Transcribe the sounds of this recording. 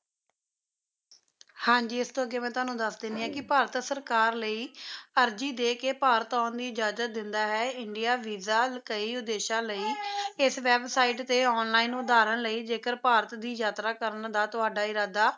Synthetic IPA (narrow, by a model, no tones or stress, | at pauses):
hãːd͡ʒiːɪst̪õːəɡeːmɛ̃ːt̪ʊaːnũːd̪əsd̪end̪iːãːkɪpaːɾət̪səɾkaːɾləiːəɾd͡ʒiːd̪eːkeːpaːɾət̪aːnd̪iːd͡ʒaːd͡ʒət̪̚d̪ɪnd̪aːɦɛːɪɳɖijaːʋiːzaːkəiːʊd̪eːʃaːləiːɪsʋɛːbsaːiʈt̪eːɔːnlaːiːnd̪aːɾənləiːd͡ʒeːkəɾpaːɾət̪d̪iːd͡ʒaːt̪ɾaːkəɾnd̪aːt̪ʊaːɖaːɪɾaːd̪aː